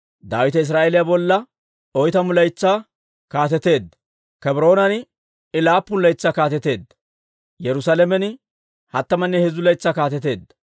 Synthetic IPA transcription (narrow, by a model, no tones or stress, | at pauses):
d̪aːwɪt̪ɐɪs̬ɾaːʔelɪjabɔlːɐ | ɔjt̪ɐmʊlɐjt͡sːaː | kaːt̪ɛt̪e̞ːd̪ɐ | kɛbɾo̞ːnɐnɪ | ɪlaːpːʊnlɐjt͡sːaːkaːt̪ɛt̪e̞ːd̪ːɐ | jɛɾʊsaːlɛmɛnɪ | hɐt̪ːɐmɐnːɛhɛzʊlɐjt͡sːaːkaːt̪ɛt̪e̞ːd̪ɐ